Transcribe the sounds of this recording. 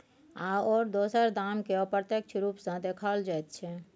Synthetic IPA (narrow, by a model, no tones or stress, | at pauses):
aɔːɾd̪osəɾd̪amkeɔpɾət̪jek̚t͡ʃʰɾupsə̃d̪ekʰəld͡ʒajt̪̚t͡ʃʰɛ